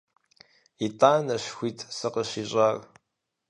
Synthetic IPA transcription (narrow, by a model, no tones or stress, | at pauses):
itʼaːnɐɕxʷiːtʰʼsɨqəɕiːɕʼaːr